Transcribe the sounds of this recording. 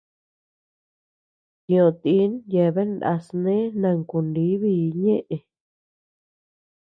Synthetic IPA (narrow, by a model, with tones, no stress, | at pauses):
kĩ˧˨õ˧˨t̪i˧˦nje˧˨βe˦nda̰˧snẽ˦nã˧˨ŋku˨ndi˨˦βi˦˧˨ɲẽ˦ʔẽ˧˨